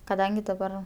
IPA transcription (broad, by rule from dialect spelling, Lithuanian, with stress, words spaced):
kɐˈdɐŋʲɡʲɪ dɐˈbɐr